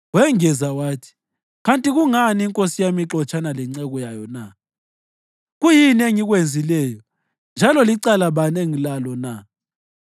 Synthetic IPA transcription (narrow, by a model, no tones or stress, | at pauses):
wɛŋɛzawaːtʰi̥ | ɣantʼiɣuŋaniŋkʼosijamiǁɔt͡ʃʼanalɛŋ͡ǀɛɣɔjajɔna | ɣujinieŋiɣwend͡zʱilɛjɔ | nd͡ʒʱalɔliǀalaβaneŋilalɔna